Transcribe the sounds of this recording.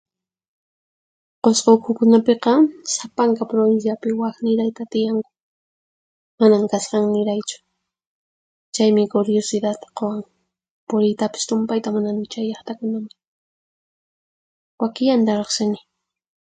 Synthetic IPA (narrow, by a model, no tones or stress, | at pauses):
qosqokʰʊkʊnapeqɑsapaŋkapɾoβɪnsjapɪwaxnɪɾajt̪at̪ɪjaŋkʊ̥ | manaŋkasqɑŋnɪɾajt͡ʃʊ̥ | t͡ʃajmɪkʊɾjosɪd̪at̪ḁqowaŋ | pʊɾɪjt̪apɪ̥st̪ʊmpajt̪amananɪt͡ʃajɑχt̪akʊnamɪ | wakɪjant̪aɾoχsɪnɪ